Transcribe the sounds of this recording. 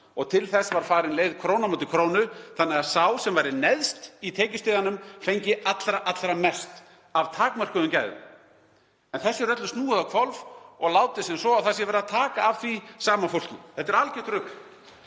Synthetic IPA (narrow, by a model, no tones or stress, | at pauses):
ɔɣt̪ʰɪlθɛsvaɾ̥faːɾɪnleːjðkʰɾownamowt̪ɪkʰɾoːwnʏθanːɛɣaðsaːwsɛmvajɾɪnɛðst̪it̪ʰeːcʏst̪ɪːðanʏmfejɲcɪat̪lɾaʔat̪lɾamɛst̪ | avt̪ʰaːkmar̥kʏðʏmcaːjðʏ̰m | ɛnθɛsːʏrœt̪lʏst̪nuːaðakʰvɔlvɔɣlaːwt̪ɪsɛnsɔawθasjɛvɛɾɪðat̪ʰaːkaːvθisaːmafowl̥cɪθɛt̪ːɛɾalcɪ̥t̪ɾʏk